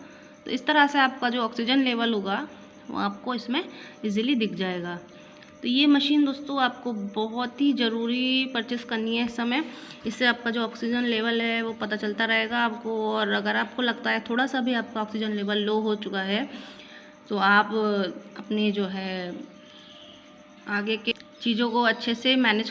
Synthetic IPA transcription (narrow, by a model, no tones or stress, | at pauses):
t̪o̰ːɪst̪ɐɾaseaːp̚kad͡ʒoːɔːksɪd͡ʒənleːʋəlɦoːɡa | ʋo̰aːp̚koɪsmẽɪzilid̪ɪkʰd͡ʒaːeːɡaː | t̪ojemɐʃiːnd̪oːst̪õaːp̚kobɔɦʊt̪ɦizɐɾuːɾipɐɾt͡ʃɪskɐɾniɦɛɪsːɐmẽj | ɪsːeaːp̚kad͡ʒoːɔːksɪd͡ʒənleːʋəlɦɛʋopɐt̪at͡ʃɐlt̪aɾɐɦeːɡaːp̚koɔːɾɐɡəɾaːp̚kolɐɡt̪aɦɛt̪ʰoːɽasabʱiaːp̚kaɔːksɪd͡ʒənleːʋəlːoːɦot͡ʃʊkaɦɛː | t̪oaːpɐpned͡ʒoːɦɛː | aːɡeket͡ʃiːzõkoɐtːʃʰesemɛːned͡ʒ